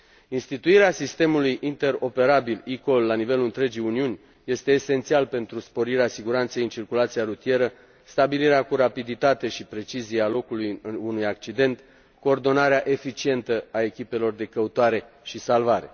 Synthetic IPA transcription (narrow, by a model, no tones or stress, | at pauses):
inst̪it̪uiɾeasist̪e̞mulujʔint̪e̞ɾo̞pe̞ɾabiliko̞lːanive̞luɨnt̪ɾe̞d͡ʒijuniunʲ | je̞st̪e̞ːse̞nt̪sialpe̞nt̪ɾuspo̞ɾiɾeasiɡuɾant̪sejɨnt͡ʃirkulat̪siaɾut̪ije̞ɾə | st̪abiliɾeakuɾapid̪it̪at̪e̞ʃipɾe̞t͡ʃizialo̞kulujunujak̚t͡ʃid̪e̞nt̪ | ko̞ːrd̪o̞naɾeaʔe̞fit͡ʃie̞nt̪əae̞kʲipe̞lo̞rd̪e̞kəut̪oaɾe̞ | ʃisalvaɾe̞̰